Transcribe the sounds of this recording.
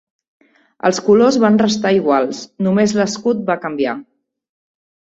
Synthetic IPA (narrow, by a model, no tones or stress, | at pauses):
ə̰lˠskulozβanrəst̪aiɣ̞walˠsnumezləskut̪̚bakəmbia̰